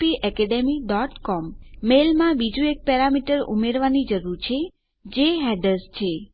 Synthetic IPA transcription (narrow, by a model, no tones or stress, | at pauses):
piʔɛkɛɖemiɖɔʈkɔmːelmãbid͡ʒũek̚pɛɾamiʈəɾṵmeɾʋanid͡ʒəɾuɾt͡ʃʰe | d͡ʒeɦɛɖəɾst͡ʃʰe